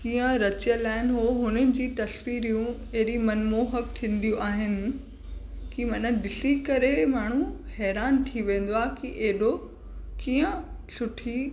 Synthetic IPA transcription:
kiːə̃ɾɐt͡ɕjəlaːɪnɦoːɦʊnənɪ̆d͡ʑiːt̪ɐsʋiːɾijũ | eɦɪɾimɐnmoɦɐkʈʰĩːn̆d̪ijũʔaːɦɪnɪ̆ | kimɐnəɗɪsikɐɾemaːɳ̤̃ũhɛːɾaːnʈʰiʋẽːn̆d̪oaːkiʔeɦɪɗo | kiːə̃ | sʊʈʰi

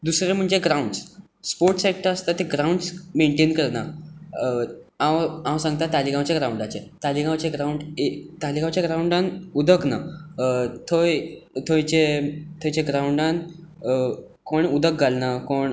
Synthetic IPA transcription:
d̪usɾem̤əɳd͡ʑeɡɾauɳɖs | spoɾʈsek̚ʈəɾast̪at̪eɡɾauɳɖsmeɳʈenkəɾna | aʋãwsãŋɡt̪ãt̪aliɡãwt͡ɕjaɡɾauɳɖat͡set̪aliɡãwt͡ɕeɡɾauɳɖet̪aliɡãwt͡ɕjaɡɾauɳɖãnud̪ʱəkna | t̪ʰojt̪ʰojt͡ɕet̪ʰojt͡ɕeɡɾauɳɖan | koɳud̪ʱək̚ɡʱalnakoɳ

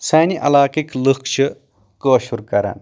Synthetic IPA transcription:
saːniʔɐ̰laːkiklɨkʰt͡ʃʰɨ | koːʃuɾkɐɾɐ̰n

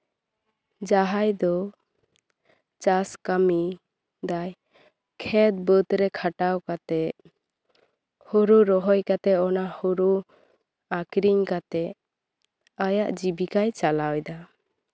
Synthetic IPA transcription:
d͡ʒaɦajd̪ɔ | t͡ʃaskami | d̪aj | kʰɛt̪̚bət̪ɾɛkʰaʈawkat̪ɛ | huɾuɾɔɦɔjkat̪ɛɔnahuɾu | akɾiɲkat̪ɛ | ajaʔd͡ʒibikajt͡ʃalawjd̪a

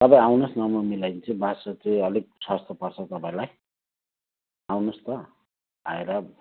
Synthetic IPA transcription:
t̪ʌpãĩawnosnamamilajnt͡sʌ̃basʌt͡sẽʌlik̚swast̪ʰʌpʌrt͡sʰʌt̪ʌpãĩlaj | awnost̪ʌ | a̰eɾʌ

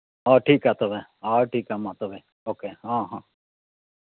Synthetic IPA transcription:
aːʈʰiːkaːt̪oʋeaːʈʰiːkaːmãt̪oʋe | oːkeːɦãːɦãː

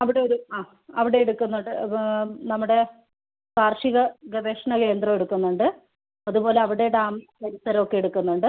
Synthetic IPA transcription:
ɐʋiɽe̞oɾuaː | ɐʋiɽe̞eɽukːunːuɳɖɨnɐmːuɽe̞ | kaːrʂiɣɐɡɐbeːʂɐɳɐke̞ːnd̪rɐe̞ɽukːunːuɳɖɨ | ɐðupo̞ːle̞ɐʋiɽejuɽaːmkɐlisɐɾɐmo̞kːe̞jeɽukːunːuɳɖɨ

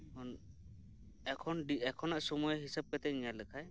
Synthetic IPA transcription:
ɔn | ɛkʰɔnɖiɛkʰɔnaʔsɔmujɦisab̚kɛt̪ɛʔiɲaləkʰaj

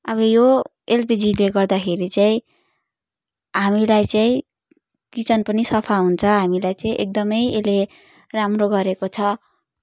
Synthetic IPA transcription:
ʌbʌjo | elpid͡zileɡʌrd̪akʰeɾit͡saĩ | ɦamilajt͡saĩ | kit͡sʌnpʌnisʌpʰaɦunt͡sʰʌɦamilajt͡saĩʔek̚d̪ʌmʌjele | ramroɡʌɾekot͡sʰʌ

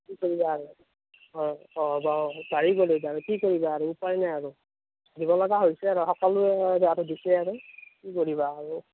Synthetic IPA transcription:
kikoɹibaːɹʊ | ɔɔbabaɹiɡolɛbaaɹukikoɹibaːɹuːpajnajaɹu | dibɔlɔɡaɦojsɛaɹuɦɔkɔluɛdatʊdisɛaɹʊkikoɹibaːɹu

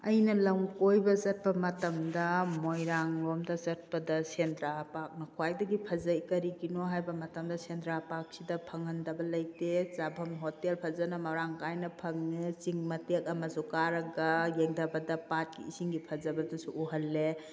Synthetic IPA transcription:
ɐjnɐlɐŋkojbɐzɐt̚pɐmɐtɐmdɐmojɾaŋɾomdɐzɐt̚pɐdɐsendɾapak̚nɐkʰwajdɐɡipʰɐzɐjkɐɾiɡinoɦajbɐmɐtɐmdɐsendɾapak̚sidɐpʰɐŋɐndɐbɐlɐjtezabʱɐmɦotelpʰɐzɐnɐmɐɾaŋkajnɐpʰɐŋnit͡ʃiŋmɐtek̚ɐmɐsukaɾɐɡɐjeŋdɐbɐdɐpat̚kḭːsiŋɡipʰɐzɐbɐdɐsuʔuɦɐlːe

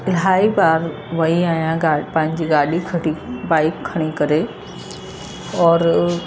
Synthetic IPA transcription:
ɪlɦaːibaːɾ | ʋɐiaːjãɡaːpɐ̃ɦɪ̃ɲ̆d͡ʑiːɡaːɗikʰɐɽibaːɪkʰːɐɽ̃ikɐɾe | ɔːɾ

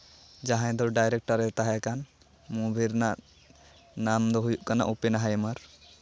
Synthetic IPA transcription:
d͡ʒaɦãj̃d̪ɔɖajɾɛk̚ʈaɾɛt̪aɦajakan | mubʱiɾnaʔ | namd̪ɔɦujuʔkana̰ʔupɛnaɦajmaɾ

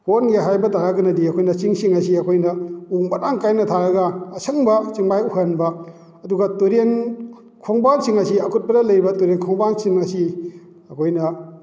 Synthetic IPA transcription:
honɡeɦajbɐtaɾaɡɐnɐdiɐkʰojnɐt͡ʃiŋsiŋɐsiɐkʰojnɐuŋbɐɾaŋkajnɐtʰaɾɐɡɐːsɐŋbɐt͡ʃiŋbajuhenbɐ | ɐduɡɐtuɾen | kʰoŋbansiŋɐsiɐkʰut̚pɐdɐlɐjbɐtuɾenkʰɔŋbansiŋɐsi | ɐkʰojnɐ

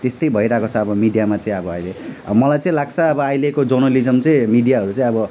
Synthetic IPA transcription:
t̪est̪ʌjbʱʌiɾakot͡sʰʌːbʌmiɖijamat͡sʌĩʌbʌʌjlemʌlajt͡sʌ̃ĩlaɡ̚t͡sʰʌːbʌajlekod͡zʌrnʌlid͡zʌmt͡sʌĩmiɖijaɦʌɾut͡sʌ̃ĩʌbʌ

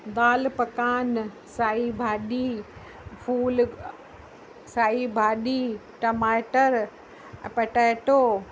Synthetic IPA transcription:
d̪aːlpɐkaːn | saːibʱaːɗi | fʰuːl | saːibʱaːɗiːʈɐmaːʈəɾ | pɐʈaːʈoː

